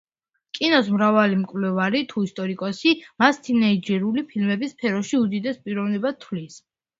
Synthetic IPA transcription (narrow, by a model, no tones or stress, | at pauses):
kʼinɔsmɾavalimkʼvlɛvaɾit̪ʰuist̪ʼɔɾikʼɔsimast̪ʰinɛid͡ʒɛɾulipʰilmɛbispʰɛɾɔʃiud̪id̪ɛspʼiɾɔvnibat̪ʰwlis